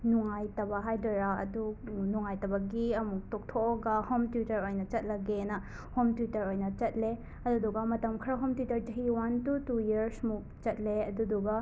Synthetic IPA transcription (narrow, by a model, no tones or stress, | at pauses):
nuŋajtɐbɐɦajdojɾaɐ̰dunuŋajtɐbɐɡiɐmuk̚tok̚tʰokoɡɐhomtutɐɾojnɐt͡ʃɐt̚lɐɡenɐ | homtwitɐɾojnɐt͡ʃɐt̚le | ɐduduɡɐmɐtɐmkʰɾɐɦomtitɐɾd͡ʒɐɦiwantutujiɾsmuk̚t͡ʃɐt̚leɐduduɡɐ